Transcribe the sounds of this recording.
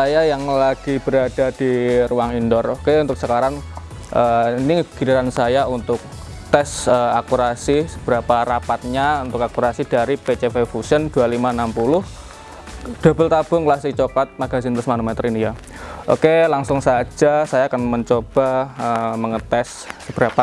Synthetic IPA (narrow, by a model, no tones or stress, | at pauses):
sajajaŋlaɡ̥ib̥əɾad̥ad̥iruaŋindɔrokeunt̪ʊk̚səkaɾaŋ | ʔəiniŋəbi̥kiɾiɾansajaunt̪ʊk̚ | t̪ɛsəakuɾasisəb̥əɾapaɾapat̪̚ɲaunt̪ʊkakuɾasidaɾipet͡ʃefefusəndualimaənampulʊh | d̥a̤bəlt̪ab̥ʊŋklast̪ɪk̚t͡ʃokat̪̚maɡazɪnt̪ʊsmanumet̪ərinija | ʔo̰kelaŋsʊŋsad͡ʒasajaːkanməɲt͡ʃob̥aəməŋət̪ɛs | səb̥ɾapa